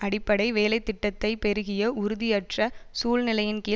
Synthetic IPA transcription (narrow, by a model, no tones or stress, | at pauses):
ɐɽɪpːɐɽɐɪʋeːlɐɪt̪ːɪʈːɐt̪ːɐɪpɛɾɯɣɪjɐʔʊɾʊðɪɐʈrɐsuːlnɪlɐjɪnkiː